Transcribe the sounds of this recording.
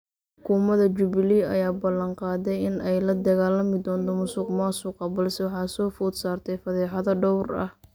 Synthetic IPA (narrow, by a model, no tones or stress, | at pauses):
ħʊkʰuːmɐðɐt͡ʃʊβɪliɐ̰jaːbɐlɐɴqɑːd̪ɛjɪnɛjlɐd̪ɐɣaːlɐmɪd̪ɔːnt̪ʰɔmʊsuːqmaːsuqɑbɐlsɛwɑħɑːsɔːfʊːd̪saːrt̪ʰɛjfɐðɛːħɑðɐɖɔwrɐ̰h